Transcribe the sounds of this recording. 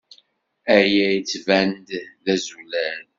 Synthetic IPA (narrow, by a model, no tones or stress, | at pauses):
æjæjət͡sːvænd̪ðæzulæl